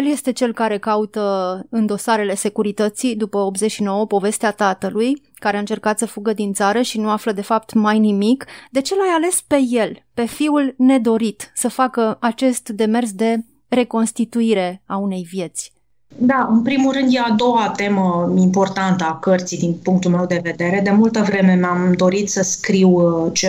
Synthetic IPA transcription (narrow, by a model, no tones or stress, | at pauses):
elje̞st̪e̞t͡ʃe̞lkaɾe̞kaut̪əɨnd̪o̞saɾe̞le̞se̞kuɾit̪ət̪sid̪upəopzet͡ʃʃino̞wəpo̞ve̞st̪eat̪at̪əluj | kaɾeaɨnt͡ʃe̞rkat̪səfuɡəd̪int̪saɾəʃinuafləd̪e̞fap̚t̪majnimikd̪e̞t͡ʃe̞lajale̞spe̞je̞lpe̞fiulne̞d̪o̞ɾit̪səfakəat͡ʃe̞st̪d̪e̞me̞rs̬d̪e̞ | re̞ko̞nst̪it̪uiɾe̞aune̞jvje̞t̪sʲ | d̪aɨnpɾimulrɨnd̪jead̪o̞wat̪e̞məimpo̞rt̪ant̪əakərt̪sijd̪inpuŋk̚t̪ulme̞wd̪e̞ve̞d̪e̞ɾe̞d̪e̞mult̪əvɾe̞me̞mamd̪o̞ɾit̪səskɾiwt͡ʃe